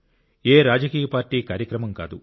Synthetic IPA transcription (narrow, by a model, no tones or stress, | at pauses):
eːɾaːd͡ʒɐkiːjɐpaːɾʈiːkaːɾjɐkɾɐmɐmka̰ːd̪u